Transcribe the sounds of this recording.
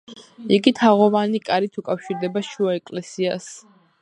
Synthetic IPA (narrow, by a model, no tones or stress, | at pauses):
iɡit̪ʰaʁɔvanikʼaɾit̪ʰukʼafʃiɾd̪ɛbaʃuaɛkʼlɛsias